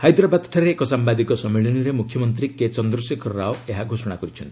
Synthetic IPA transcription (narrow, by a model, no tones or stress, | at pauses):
hajd̪ɾabad̪ʈʰaɾeːkɔsambad̪ikɔsɔmːiɭɔniɾemukʰjɔmɔnt̪̬ɾiket͡ʃɔnd̪ɾɔsekʰɔɾɔɾaoeɦaɡʱosɔɽ̃akɔɾit͡ʃʰɔnt̪i̥